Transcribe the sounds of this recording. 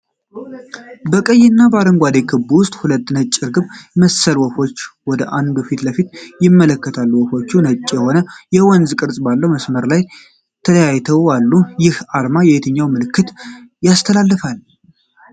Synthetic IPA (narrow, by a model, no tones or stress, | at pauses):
bəkʼəjːɪnːabaɾəŋɡʷad̪eɡɨbːuwʊst̪ʼhulət̪ːnət͡ʃʼːɪɾɡɨβməsəlwɔfo̞t͡ʃːwɔd̪əʔand̪ufit̪ləfit̪jɪmːələkːət̪ʰalːuwɔfo̞t͡ʃːunət͡ʃʼːjɛho̞nəjɛwɔnzkʼɨɾsʼbalːəwməsməɾlaj | t̪ʰələjajt̪ʰəwalːujɪhalmajɛhet̪ʰəɲːawmɨlɨkːɨt̪ | jast̪ʰəlalːəfal